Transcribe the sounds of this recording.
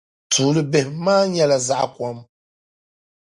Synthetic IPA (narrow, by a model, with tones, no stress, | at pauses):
tʰuː˨lɨ˦bɛ˨hmaː˦ɲɛ˦la˨za˦ʔkwɔ˨˦m